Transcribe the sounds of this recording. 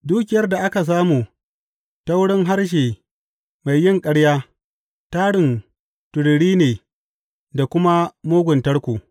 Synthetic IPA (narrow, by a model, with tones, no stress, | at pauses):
duː˦kʲɪ˨jɐ˦rda˨ʔa˦ka˨s̬aː˦muː˨ | ta˦wɽɪ˦ŋɦa˦rʃ̬eː˨ | ma˨jːɪ˦ŋkʼɐ˦ɽjaː˦ | taː˦ɽɪ˨n | tʊ˨ɽɽiː˦neː˨ | da˨kʷʊ˦ma˦moː˦ɡʷʊ˨ntɐ˦ɽkʷuː˨